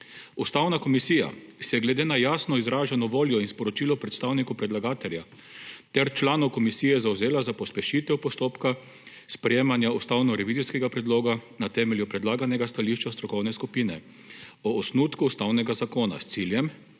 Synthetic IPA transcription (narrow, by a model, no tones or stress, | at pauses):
ust̪awnakɔmisiːja̰sɛjɛɡlɛd̪eːnajaːsnɔizɾaːʒanɔʋoːljɔinspɔɾɔt͡ʃiːlɔpɾɛt̪st̪aːwnikupɾɛd̪laɡaːt̪ɛlja | t̪ɛɾt͡ʃlaːnɔwkɔmisiːjɛzawzeːlazapɔspɛʃit̪ɛwpɔst̪oːpka | spɾɛjeːmanjaust̪awnɔɾɛʋiziskɛɡapɾɛd̪loːɡanat̪ɛːmɛljupɾɛd̪laːɡanɛɡast̪aliʃt͡ʃast̪ɾɔkɔwnɛskupinɛ | ɔːsnuːt̪kuːst̪awnɛɡazakoːna̰st̪siljɛm